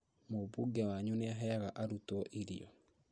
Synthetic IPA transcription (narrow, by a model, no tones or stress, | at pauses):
mobuɡɛwaɲuneaɦɛaɣaʔaɾutɔʔiɾḭɔ̰